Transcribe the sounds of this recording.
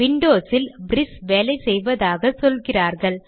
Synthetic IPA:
ʋɪɳɖoːsɪlbɾɪsʋeːlɐɪsɛjʋɐðaːɣɐsɔlɣɪraːɾɣɐɭ

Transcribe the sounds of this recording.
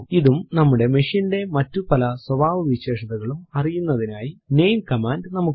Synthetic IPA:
iðumnɐmːuɽe̞miʂinde̞mɐtːupɐlɐswɐbʱaːʋɨʋiɕe̞ːʂɐðɐɣɐɭumɐrijunːɐðinaːjine̞jnkɐmaːndnɐmukː

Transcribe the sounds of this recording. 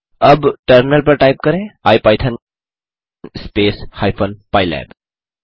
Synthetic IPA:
əbʈəɾmɪnəlpəɾʈajp̚kəɾẽaːjpaːjt̪ʰan | nspeːshajpʰənpajlɛ̰ːb

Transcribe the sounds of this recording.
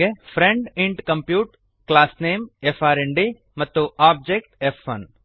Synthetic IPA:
epʰɾẽɳɖɪ̃ɳʈkɐ̃mpjuːʈ | klaːsneːmefʰaːɾẽɳɖi | mɐt̪ːuʔaːb̚d͡ʒeːk̚ʈefɐ̰n

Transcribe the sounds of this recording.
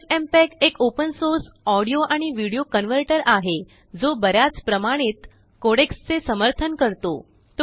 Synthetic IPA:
fempɛkekopənsoɾsɔɽijoʔaɽ̃iʋiɽijokənʋəɾʈəɾaɦe | d͡zobəɾjat͡spɾəmaɽ̃iːt̪ | koɽekst͡sesəməɾt̪ʰənkəɾt̪o̰ | t̪

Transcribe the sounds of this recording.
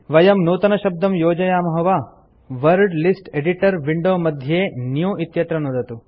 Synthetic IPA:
ʋɐjɐmnuːt̪ɐnɐʃɐb̚d̪ɐmjoːd͡ʒɐjaːmɐɦɐʋaː | ʋɐɾɖlisʈeɖiʈɐɾʋiɳɖoːmɐd̪ʱjeːnjuːʔit̪jɐt̪ɾɐnud̪ɐt̪u

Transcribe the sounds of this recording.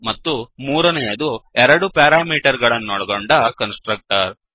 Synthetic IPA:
mɐt̪ːumuːɾɐnɛjɐd̪uɛɾɐɽupjaːɾaːmiːʈɐɾɡɐɭɐnːɔɽɐɡoɳɖɐkɐnsʈɾɐk̚ʈɐɾ

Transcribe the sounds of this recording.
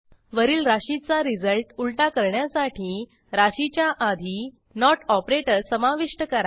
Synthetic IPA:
ʋəɾiːlɾaɕit͡saɾid͡zəlʈulʈakəɾɳjasaʈʰiː | ɾaɕit͡ɕjaʔad̪ʱi | nɔʈɔpɾeʈəɾsəmaʋiʂʈəkəɾa

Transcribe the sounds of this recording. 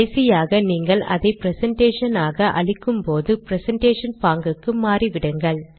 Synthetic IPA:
ɐsɪjaːɣɐniːŋɡɐɭɐ̰ðɐɪpɪɾɛsɐɳʈeːʂɐnaːɣɐʔɐ̰ɭɪkːɯmpoːðɯpɪɾɛsɛɳʈeːʂɐnpaːŋɡɯkːɯmaːriʋɪɽɯŋɡɐɭ

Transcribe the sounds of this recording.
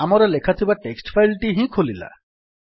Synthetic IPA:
amɔɾɔlekʰat̪ʰibaʈeksʈpʰajlʈiɦĩkʰolila̰

